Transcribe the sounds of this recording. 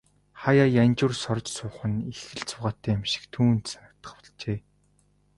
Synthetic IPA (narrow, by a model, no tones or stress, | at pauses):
χajaːjanʲt͡ɕʊrsɔrt͡ɕsʊːχə̆nixɘ̆ɮt͡sʊːʁaːt̪ːæːamʃɪ̥̆kt̪ʰuːnt̪sanə̆k̚t̪ə̥̆χpʊ̥ɮt͡ɕeː